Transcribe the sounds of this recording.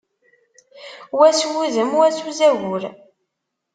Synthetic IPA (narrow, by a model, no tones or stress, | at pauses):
wæswuðəmwæt͡sːuzæʝʊɾ